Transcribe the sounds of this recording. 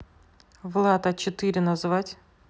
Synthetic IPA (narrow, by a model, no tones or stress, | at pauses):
vlˠat̪ət͡ɕɪt̪ɨɾʲɪnɐzvatʲ